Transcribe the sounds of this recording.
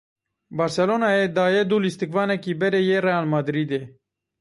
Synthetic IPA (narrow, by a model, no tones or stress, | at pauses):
baɾsɛloːnaed̪aːjed̪ulist̪ikvaːnɛkibɛɾejeɾejaːlmad̪ɾid̪e